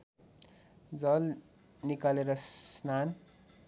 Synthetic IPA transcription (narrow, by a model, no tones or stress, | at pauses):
d͡zʌl | nikaleɾʌssnan